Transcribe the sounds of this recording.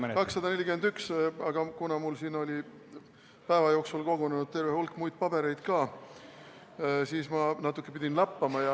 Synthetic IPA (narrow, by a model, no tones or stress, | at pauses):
kɑksːɑd̪ɑnelʲːikymend̪yksɑɡ̥ɑkunɑmulsiːno̞lʲi | pæevɑjo̞ːksulko̞ɡ̥onenud̪̚t̪e̞rvehulkːˑmujd̪̥̚pɑbe̞ɾe̞jd̪̥kɑː | siːsmɑnɑt̪ːˑukːˑepid̪̥ʲinlɑpːɑmɑjɑ